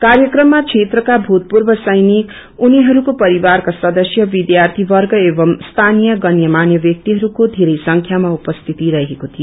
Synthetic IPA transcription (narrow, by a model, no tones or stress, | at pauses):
kaɾjʌkrʌmːat͡sʰet̪rʌkabʱut̪̚purbʌsʌjnik | uniɦʌɾukopʌɾibarkasʌd̪ʌsjʌbid̪jart̪ʰibʌrɡʌebʌmst̪ʰanijʌɡʌnjʌmanjʌbjʌk̚t̪iɦʌɾukod̪ʱeɾʌjsʌŋkʰjamaupʌst̪ʰit̪iɾʌɦekot̪ʰi